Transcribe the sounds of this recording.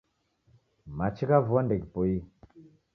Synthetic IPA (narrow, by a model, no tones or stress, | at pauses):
mat͡ʃikavuandekpoji